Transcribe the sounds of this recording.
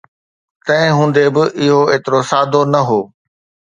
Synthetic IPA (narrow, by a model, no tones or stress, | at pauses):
t̪ɐ̃ɦɪ̃ɦũːn̆d̪ebɪʔɪɦoeːt̪ɪɾosaːd̪ʱonɐɦoː